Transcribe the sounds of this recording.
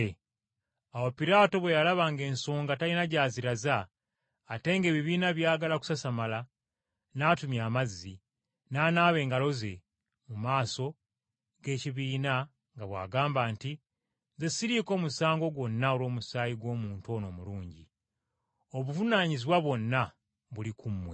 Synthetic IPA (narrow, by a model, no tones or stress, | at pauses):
awopiɾaːto̞βwejalaβaːŋɡe̞ːnsoːŋɡatalinaɟaːziɾazaː | te̞ːŋɡe̞ːβiβiːnaβjaːɡalaku̥sasamala | naːtumjaːmazːi | naːnaːβe̞ːŋɡalo̞ze̞ | mumaːso̞ | ɡe̞ːciβiːna | ŋɡaβwa̰ːɡaːmbaːnti | nzesiɾiko̞ːmusaːŋɡo̞ɡwo̞nːaolo̞ːmusaːjiɡwo̞ːmuːntuo̞ːno̞ːmuluːɲɟḭ | o̞βuvunaːɲiziβwaβwo̞nːa | βulikʰumːwe